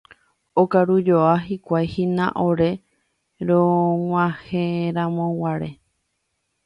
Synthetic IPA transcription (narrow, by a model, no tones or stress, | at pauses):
okaɾud͡ʒoaɦikʷajhĩnã̰ʔoɾe̞ | ɾõŋʷãheɾãmõwaɾe